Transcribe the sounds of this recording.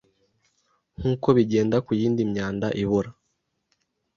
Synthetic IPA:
ŋ̥huːko̞βiɟe̞ːndakujiːndimɲaːndaʔiβoɾa

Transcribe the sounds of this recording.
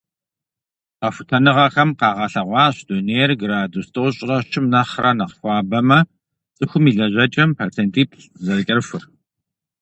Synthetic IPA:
qɐfʷʊtʰɐnɨʁɐxɐmqɑːʁɐɬɐʁʷɑːɕd̥oːneːjrɡɾaːdustʰɨʁʷɕʼɪrɐʃɪmnɐχrɐnɐqxʷɑːbɐmɐ | t͡sʼɨxʷʊmiːɮɐʑʷɐt͡ʃʼɐmpʰat͡sʰeːntʰiːpʰɬʼzɐrkʲʼɐrfʊr

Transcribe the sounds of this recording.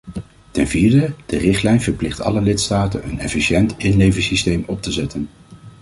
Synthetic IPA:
tɛnviːɹdəd̥ərɪχtlɛjnv̥əɹplɪχtɑ̰ləlɪtstaːtənɦənɛ̰fiʃɛntɪnlejvəsistejmɔp̚təzɛtən

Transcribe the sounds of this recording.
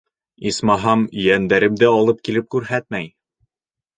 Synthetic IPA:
ismɑɦɑmjænd̪æɾɘmd̪æɑlˠɤp̚kilɘp̚kʉɾɦæt̪̚mæj

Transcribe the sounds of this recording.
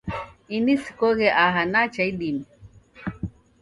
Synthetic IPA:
inisi̥koɣeʔaɦanat͡ʃailim

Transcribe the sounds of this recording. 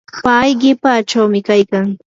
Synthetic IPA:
pajɢɪpat͡ʃawmɪkajkaŋ

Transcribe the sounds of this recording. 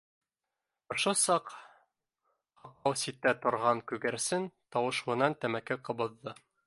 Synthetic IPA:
ŏʃosɑq | hɑq̪ˠɑwsit̪ːæt̪ŏɾʁɑŋkʉɡæɾsɘnt̪ɑwɤ̆ʃuɤ̆nɑnt̪æmækɘqɤ̆βɤ̆ðːɤ

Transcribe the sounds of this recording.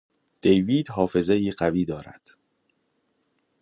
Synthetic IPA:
d̪̥ejviːd̪ɦɒːfe̞zeiːɢæviːd̪ɒːɾæ̰d̪̥

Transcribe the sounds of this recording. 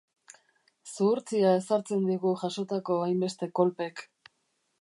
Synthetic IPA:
suːɾt͡siae̞saɾt͡se̞nd̪iɣuʝaʃo̞t̪ako̞ajmbe̞st̪e̞ko̞lpe̞k

